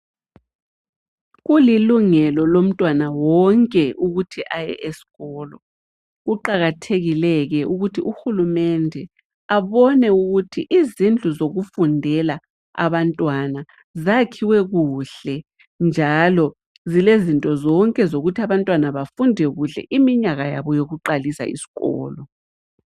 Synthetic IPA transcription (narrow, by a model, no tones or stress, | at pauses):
ɣuliluŋɛlɔlom̩tʼwanawɔŋkʼɛʔuɣutʰiʔajɛ̰ʔesi̥ɣɔːlɔ | ɣuǃaɣatʰeɣilɛɣɛʔuɣutʰiʔuxulumɛndʱɛ | aβɔnɛuɣutʰiʔizind͡ɮʱuzoɣufundʱɛla | a̰βantʼwana | zakʰiwɛɣuːɬɛ | nd͡ʒʱalɔ | zilezintʼɔzɔŋkʼɛzoɣutʰiaβantʼwanaβafundʱɛɣuɬɛ̰ʔimiɲaɣajaβɔjoɣuǃalisa̰ḭsi̥ɣɔ̰ːlɔ